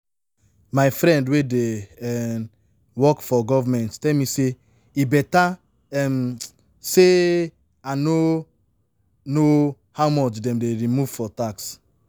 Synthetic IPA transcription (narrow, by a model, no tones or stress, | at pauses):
maɪfɾɛ̃ndwedeɛ | wɔkfɔɡɔvamɛ̃nttɛlmise | ibɛta | ɛm | se | ano | no | hawmɔt͡ʃdɛ̃mdeɹimuvfɔtaks